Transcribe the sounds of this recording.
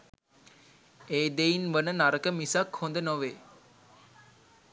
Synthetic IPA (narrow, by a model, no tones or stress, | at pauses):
eːd̪einʋənənaɾəkəmisakhond̪ənoʋe